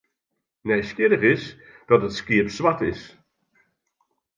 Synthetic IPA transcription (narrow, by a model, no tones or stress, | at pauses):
nɛjskɪdəχɪs | d̥ɔtətskɪəpsʋatɪs